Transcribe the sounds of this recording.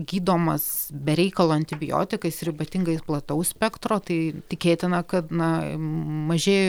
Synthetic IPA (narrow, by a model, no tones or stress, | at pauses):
ɡʲiːd̪oːmɐsbʲɛɾʲɛɪkɐlˠoːɐnʲt̪ʲɪbʲɪjo̰ːt̪ʲɪkɐɪsɾʲɪbɐt̪ʲɪŋɡɐɪsplˠɐt̪ɐʊssʲpʲɛkt̪ɾoːt̪ɐɪt̪ʲɪkʲeːt̪ʲɪnɐkɐt̪nɐ | mɐʒʲeːj